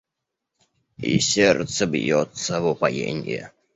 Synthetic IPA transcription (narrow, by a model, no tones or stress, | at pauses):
ḭsʲert̪səbjot̪sːəvʊpajḛnʲɪjə̰